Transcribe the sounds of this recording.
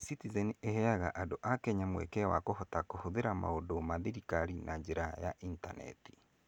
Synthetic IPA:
sitizɛniehɛaɣaʔadoʔakɛɲamwɛ̰kɛwakohɔtakohoðeɾama̰odomaðiɾikaɾinad͡ʑeɾaja̰ʔintanɛ̰ti̥

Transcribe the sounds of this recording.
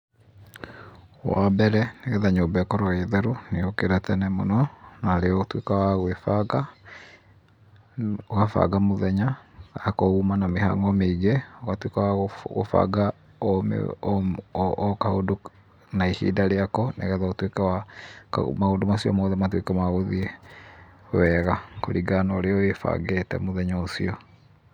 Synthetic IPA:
wa̰bɛɾɛneɣɛðaɲoːmbɛkɔɾɔɣɛðɛɾoneokeɾatɛnɛmo̰nɔnaɾeɔotwekawaɣwefaɡa | oɣafa̰ɡamoðɛɲaɣakɔumanameɦa̰ŋɡɔmeiɣeɔɣatwekawaɣo̰fa̰ɡa | ɔm̰ | kahodo | naihḭːdaɾeakɔnḛɣɛðaotwekɛwakmaodomasiɔ̰mɔðɛmatwekɛmaɣoðiɛ | wɛɣako̰ɾiɡanɔɾeɔefa̰ɡetɛ̰moðɛɲaosiɔ

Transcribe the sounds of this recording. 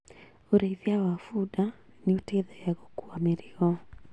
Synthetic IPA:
oɾeiðjawafuda | nioteðɛjaɣokuameɾiɔ

